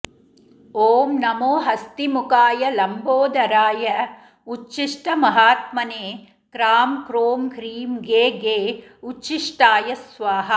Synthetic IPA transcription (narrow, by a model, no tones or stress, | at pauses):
oːmnɐmoːɦɐst̪imukaːjɐlɐmboːd̪ɐɾaːjɐ | ut͡ʃːʃiʂʈɐmɐɦaːt̪̚mɐneː | kɾaːmkɾoːmɡɾiːmɡeːɡeːut͡ʃːʃiʂʈaːjɐsʋaːɦɐ̆